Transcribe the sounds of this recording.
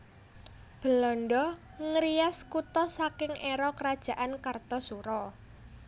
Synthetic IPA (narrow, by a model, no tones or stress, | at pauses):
b̥ə̤lɔnɖɔ | ŋəɾiaskut̪ɔsakɪŋʔeɾɔkəɾad̥ʒ̥a̤ʔankart̪ɔsuɾɔ